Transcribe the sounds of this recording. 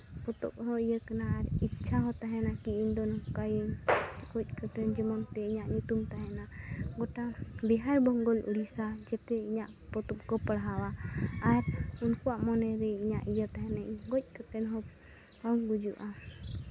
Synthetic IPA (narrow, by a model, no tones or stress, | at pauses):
pɔt̪ɔ̰p̚ɦɔ̃ijəkanaːɾitːt͡ʃʰaɦɔt̪aɦɛnakiind̪ɔnkajənɡɔc̚ˀkət̪ɛnd͡ʒɔmɔnt̪ɛiɲaʔɲut̪umt̪aɦɛnaɡɔʈabiɦaɾbɔŋɡɔlʔṵɽisad͡ʒɛt̪ɛiɲaʔ | pɔt̪ɔp̚kɔpəɽɦawaː | ɾunkuwaʔmɔnɛɾɛiɲaʔijət̪aɦɛnaɡɔc̚ˀkət̪ɛnɦɔ | pamɡud͡ʒuʔa